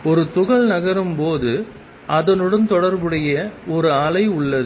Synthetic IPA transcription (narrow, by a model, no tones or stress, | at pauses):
ɔɾɯt̪ʊɣɐɭnɐɣɐɾɯmpoːðɯ | ʔɐðɐnɯɽɐnt̪ɔɽɐɾbɯɽɐjɐɔɾɯaːɭɐɪʊɭːɐðɯ